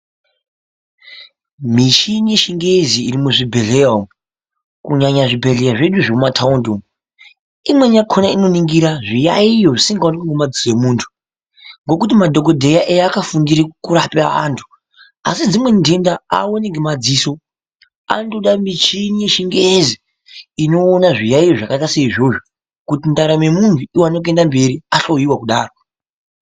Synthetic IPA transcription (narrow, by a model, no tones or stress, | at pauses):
mit͡ʃinije̞ʃiŋɡeziːrimuʐibʱe̞ɮea | kuɲaɲaʐibʱe̞ɮejaʐeɗuʐemumatʰaundo | imwe̞ɲakʰonaino̞niŋɡiɾaʐijaijoʐisiŋɡaonekiŋɡemad͡zisoemuːntʰu̥ | ŋɡo̞kut̬imadʱo̞ko̞dʱe̞jaʔejaːkafundiɾikuɾapaa̰ntʰu̥ | a̰sid͡zimwe̞ndendaa̰woneŋɡemad͡ziso̞ | a̰nduɗamit͡ʃineʃiŋɡezi | ino̞ːnaʐijaijo̞ʐakaitaseiʐo̞ʐo | kutintaɾame̞muntʰuiwaanok̬endambe̞ɾiaɬo̞jiwakuɗaːro̞